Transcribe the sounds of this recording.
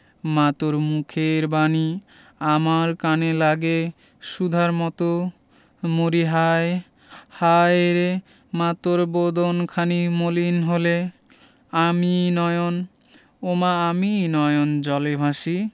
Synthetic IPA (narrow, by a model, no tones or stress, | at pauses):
mat̪oɾmukʰeɾbani | amaɾkanelaɡe | ʃud̪ʱaɾmɔt̪o | moɾiɦaj | hajeɾe | mat̪oɾbod̪onkʰanimolinɦole | aminɔjon | omaːminɔjond͡ʑɔlebʱaʃi